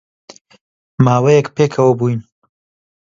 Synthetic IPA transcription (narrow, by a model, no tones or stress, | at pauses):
maːwejɛkpeːkʰɐwɐbuːjn